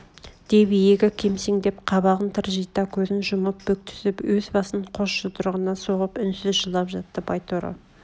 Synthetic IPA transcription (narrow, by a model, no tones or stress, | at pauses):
d̪̥ebijeɡʲɪkʲʰe̞mseŋd̪e̞pqʰɑβɑʁənt̪ʰəɾʒijt̪ɑkʲʰɵzɪnʒʊməp̚b̥ɵk̚t̪ʰʏ̥sɪpwɵzbɑsəɴqʰoʃʃət̪ʰʊɾʁənɑsoʁəpʏnsɪzʒəlˠɑpʒɑt̪ːəbɑjt̪oɾo̰